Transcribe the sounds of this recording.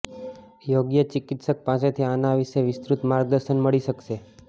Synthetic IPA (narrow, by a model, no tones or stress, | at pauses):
joɡjət͡ʃɪkit̪sək̚paset̪ʰianaʋɪʃeʋɪst̪ɾut̪maɾɡ̚d̪əɾʃənməɭiʃəkʃe